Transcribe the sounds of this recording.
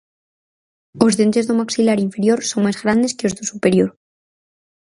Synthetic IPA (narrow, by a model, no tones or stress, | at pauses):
o̞zðe̞nt̪e̞zðomaksilaɾiɱfe̞ɾjo̞ɾso̞ŋmazɣɾand̪e̞skeozðosupe̞ɾjo̞ɾ